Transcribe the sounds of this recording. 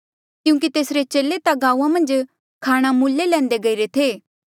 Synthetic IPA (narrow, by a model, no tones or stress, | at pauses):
kjũːkit̪eːsɾet͡ʃeːlːet̪aɡaːuːãmɐ̃nd͡ʒ | kʰaːɽ̃amuːlːelɛ̃ːnd̪eɡɐiɾet̪ʰeː